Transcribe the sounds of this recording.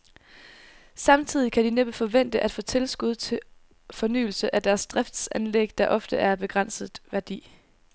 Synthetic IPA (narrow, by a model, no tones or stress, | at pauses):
sɑ̈mt͡sʰið̞̰ˠikʰæd̥ineb̥fɒ̽ʋen̰d̥əʔæd̥fɔ̰̽ːt͡sʰe̝lsɡ̥uð̞ˠt͡sʰe̝ | fɒ̽ny̰ːl̩səʔæd̥æɐsd̥ʁafd̥sænleɡ̥d̥ɑ̈ʔɒ̽fd̥əʔæɐb̥e̝ɡ̥ʁɑn̰sð̩ˠʋæɐd̥ḭː